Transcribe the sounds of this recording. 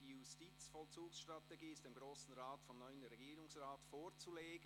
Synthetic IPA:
d̥iːjustit͡sfɔlt͡suːksʃtʁ̥ateɡiːɪstd̥emɡʁoːsn̩ʁaːtfɔnnɔʏənɾɛɡiːɾʊŋsʁaːtfoːɾt͡suleːɡ

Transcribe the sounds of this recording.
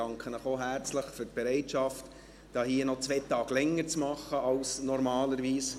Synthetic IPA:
ɑŋkχənəχoɦæɾt͡sləχfʏrt̚b̥ɛɾɛɪtʃɑft | d̥ɑːhiːənɔt͡sʋɛt̪ɑːɡlɛŋːəɾt͡smɑχːəɑlsnɔɾmɑːləɾʋiːs

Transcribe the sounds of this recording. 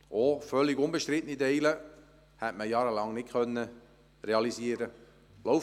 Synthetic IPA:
ofœlːiɡʊnbəʃt̪ɾɪt̪ənideɪlə | hætməjɑːɾəlɑŋnɪt̚kʰœnːə | reɑlisiːəɾə | loʊf

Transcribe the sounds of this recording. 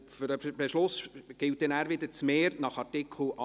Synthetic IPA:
føɾəbeʃlʊsɡ̥ɪlt̚dɛnæːɾʋɪd̪əɾt͡smeːɾnɑχɑrtɪkʰl̩ɑ

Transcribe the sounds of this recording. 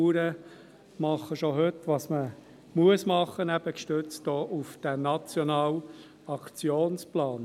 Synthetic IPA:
uːɾə | mɑχːəʃɔɦøtʋɑːsmə | muəsmɑχːənæb̥əkʃtøt͡stɔːʔufd̥ænɑt͡sjɔnɑːl | ɑkt͡sjoːnsplɑːn

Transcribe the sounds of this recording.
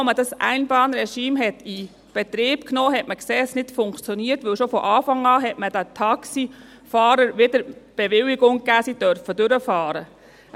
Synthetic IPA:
mədɑsʔæ̰ɪnbɑːnɾɛʃiːmɦɛti | b̥ɛt̪ɾiːb̥knoːɦɛtməkseːsnɪtfʊŋkt͡sjɔniːəɾtʋɵlʃofɔʔɑːfɑŋɑːɦɛtmədætʰɑksi | fɑːɾəɾʋɪdəɾb̥eʋɪliɡʊŋkæːsidœɾfəd̥ʏɾəfɑːɾə

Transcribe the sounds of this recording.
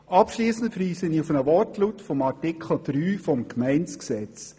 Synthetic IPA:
ɑpʃliːsn̩tfɾiːsəniufənəʋɔrtlutfɔmɑtɪkʰl̩ˠd̪̥ɾyːfɔmkmæɪnt͡sksɛt͡s

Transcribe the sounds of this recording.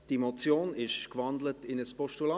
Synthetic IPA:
d̥imot͡sjoːnɪʃkvɑndlətɪnəspɔʃtulɑ

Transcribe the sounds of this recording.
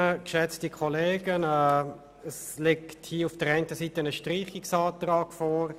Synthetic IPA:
əkʃɛt͡stikʰɔleːɡənɛː | əs | lekthiːəufd̥əɾɛɪntəsiːtənəʃtɾiːχɪksɑːtrɑːɡ̥fɔːɾ

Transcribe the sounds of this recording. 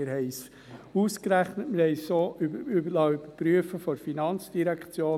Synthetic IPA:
ɪɾɦɛɪs | uːskɾæχnətmɪɾhɛɪsoːʔybybəlɑːybəɾpɾyəfəfɔɾfinɑnt͡sd̥iɾækt͡sjoː

